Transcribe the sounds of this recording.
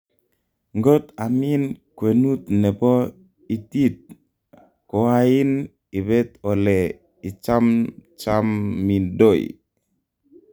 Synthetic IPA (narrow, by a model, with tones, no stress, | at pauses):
ŋɡo˦t̪a˨mi˦nkwe˨nu˦t̪nɛ˨pɔ˦ | i˨ti˦t̪̚ | kɔ˨a˦ɪ˦n | i˨bɛ˦t̪ɔ˨lɛ˨ | i˨t͡ʃa˦mt͡ʃa˦mːi˨ndo˦˨j̰